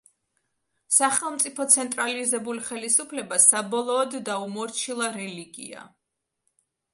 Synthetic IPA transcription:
saχɛlˠmt̪sʼipʰɔt̪sʰɛnt̪ʼɾalizɛbuliχɛlisupʰlɛbasabɔlˠɔːd̪ːaumɔɾt͡ʃʰilˠaɾɛliɡḭa̰

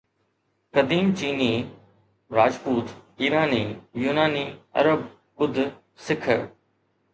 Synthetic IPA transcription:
kɐd̪iːmt͡ʃiːniː | ɾaːd͡ʒpuːt̪iːɾaːniːjuːnaːniːɐ̰ɾəb | kʊd̪ʱ | sɪkʰə

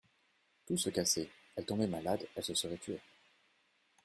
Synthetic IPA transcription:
t̪usəkase | ɛlt̪ɔ̃bɛmalad̪ɛlsəsəʁɛt̪ɥe

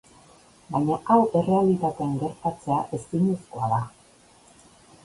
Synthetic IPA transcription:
bajɲaʔawe̞re̞alit̪at̪e̞aŋɡe̞ɾt̪at͡se̞aʔe̞siɲisko̞aða

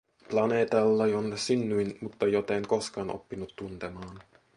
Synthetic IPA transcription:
plɑneːt̪ɑlːɑjonːsynːyjnmut̪ːɑjot̪eŋko̞skɑːno̰pːinut̪ːunt̪emɑːn

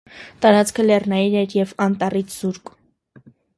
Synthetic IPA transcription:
t̪ɑɾɑt͡skʰəlɛrnɑjiɾɛɾjɛvɑnt̪ɑrit͡sʰz̥uɾk

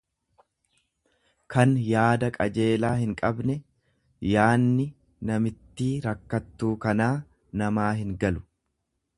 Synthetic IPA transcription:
kʰɐnjaːd̪ɐkʼɐd͡ʒe̞ːlaːhɪŋkʼɐbnɛ | jaːnːɪ | nɐmɪt̪ːiːɾɐkːɐt̪ːuːkɐnaː | nɐmaːɦɪŋɡɐlʊ̥

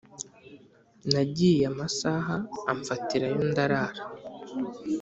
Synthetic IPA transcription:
naɟijamasaɦaːɱfatiɾajondaɾaːɾa

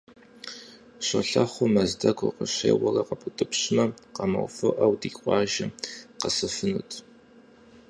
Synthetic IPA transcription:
ɕɐɬɐχʷʊmɐzdɐkʷʰʼʊ̰qəɕḛːwɐrɐqɐpʰʼʊtʼɨpɕɪmɐqɐmɐ̰wfɨʔɐwdiːqʷɑːʒɪqɐsɨfɨnṵtʰ

